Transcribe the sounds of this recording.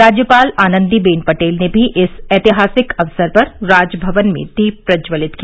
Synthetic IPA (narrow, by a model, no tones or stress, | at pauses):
ɾaːd͡ʒjəpaːlaːnə̃nd̪ibeːnpɐʈeːlnebʱiʔɪsɛːt̪ɪɦaːsɪkɐʋsəɾpɐɾɾaːd͡ʒbʱɐʋənmḛ̃d̪iːpɾɐd͡ʒʋəlɪt̪ki